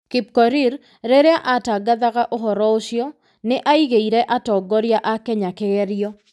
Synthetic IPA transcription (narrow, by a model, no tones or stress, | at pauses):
kip̚kɔɾiɾ | ɾeɾeaʔataɡaðaɣaʔoɦɔɾɔoʃjɔ | nɪʔaiɣeiɾɛʔatɔɡɔɾjaʔakɛɲakɪɣɛɾjɔ